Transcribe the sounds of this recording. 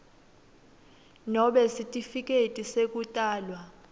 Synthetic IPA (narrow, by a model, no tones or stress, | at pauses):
nɔɓɛsitʼifik̬ʼetʼisek̬ʼutʼaːlwa